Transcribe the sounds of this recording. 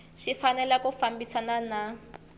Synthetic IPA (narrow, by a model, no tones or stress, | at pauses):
ʃifanɛlakufambisanana